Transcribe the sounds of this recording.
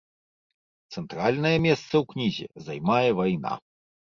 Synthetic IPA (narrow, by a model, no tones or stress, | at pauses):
t̪sɛnt̪ɾalʲnɐjɛmʲɛst̪sɐwknʲizʲɛ̰zajmajɛvajna̰